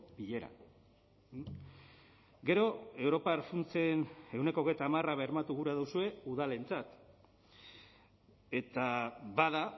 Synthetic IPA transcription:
biʎe̞ɾa̰ | ɡe̞ɾo̞e̞wɾo̞paɾfunt͡se̞ne̞wne̞koɣ̞ejt̪aːmaraβeɾmat̪uɣuɾaðuwsue̞uðale̞nt͡sat̪ | e̞t̪aβað̞a

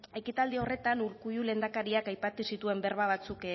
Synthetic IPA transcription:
e̞kit̪ald̪io̞re̞t̪anuɾkujule̞nd̪akaɾiakajpat̪usit̪ue̞mbe̞ɾβaβ̞at͡suk

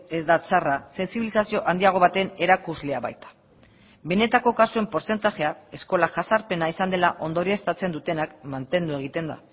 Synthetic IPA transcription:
e̞zd̪at͡sarase̞nsiβilisasio̞ʔand̪iaɣ̞o̞β̞at̪e̞ne̞ɾakuzle̞aβa̰jt̪ḁ | be̞ne̞t̪ako̞kasue̞mpo̞ɾse̞nt̪aʝe̞ae̞sko̞laʝasaɾpe̞naisand̪e̞laʔo̞nd̪oɾiest̪at͡se̞nd̪ut̪e̞nakmant̪e̞nd̪ue̞ɣ̞it̪e̞nd̪a̰

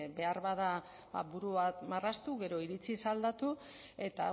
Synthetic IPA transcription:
be̞arβaða | ba̰βuɾuβat̪marast̪uɣe̞ɾo̞iɾit͡sisald̪at̪u | e̞t̪a

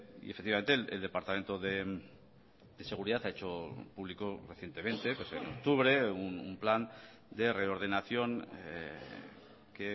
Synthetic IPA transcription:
ḭefekt̪iβament̪elḛld̪e̞paɾt̪ame̞nt̪o̞ðe | d̪e̞se̞ɣ̞uɾiðat̪aet͡ʃo̞puβlikoreθje̞nt̪e̞mẽ̞nt̪e̞pwesenok̚t̪uβɾe̞unumplan | d̪e̞re̞o̞ɾð̞e̞naθjo̞ŋ | ke

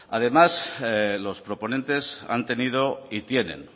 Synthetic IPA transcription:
að̞e̞maslo̞spɾo̞po̞ne̞nt̪e̞sa̰nt̪e̞nið̞o̞it̪je̞nẽ̞̰n

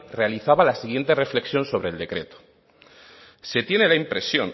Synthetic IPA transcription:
re̞aliθaβalasiɣ̞je̞nt̪e̞re̞fleksjo̞nso̞β̞ɾe̞ld̪e̞kɾe̞t̪o̥ | se̞t̪je̞ne̞laimpɾe̞sjo̞̰n

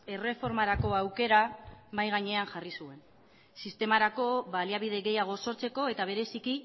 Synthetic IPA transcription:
e̞re̞fo̞ɾmaɾako̞awke̞ɾamajɣ̞aɲe̞anʝarisue̞n | sist̪e̞maɾako̞βaliaβ̞iðe̞ɣe̞jaɣ̞o̞so̞ɾt͡se̞ko̞e̞t̪aβ̞e̞ɾe̞siki

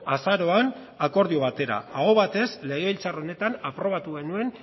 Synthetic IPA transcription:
asaɾo̞an | ako̞ɾðioβat̪e̞ɾa̰aɣo̞βat̪e̞sle̞ɣ̞eilt͡saro̞ne̞t̪anapɾo̞β̞at̪uɣe̞nue̞n

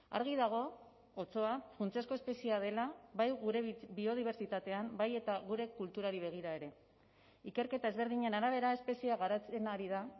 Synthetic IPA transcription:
a̰ɾɣ̞iðaɣ̞o̞ | ot͡so̞afunt͡siasko̞espe̞siað̞e̞laβajɣuɾebio̞ð̞iβ̞e̞ɾt͡ʃit̪at̪e̞ambaje̞t̪aɣ̞uɾe̞kult̪uɾaɾiβ̞e̞ɣ̞iɾae̞ɾe̞ | ike̞ɾke̞t̪ae̞zβ̞e̞ɾðiɲe̞naɾaβ̞e̞ɾaespe̞siaɣaɾat͡se̞naɾiða

